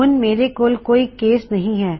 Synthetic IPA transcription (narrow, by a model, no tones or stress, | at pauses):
ʊnmeːɾekoːlkoːikeːsnɐɦĩɦɛː